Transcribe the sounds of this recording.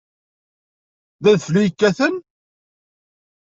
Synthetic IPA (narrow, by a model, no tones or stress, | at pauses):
ðæðflijkːæθən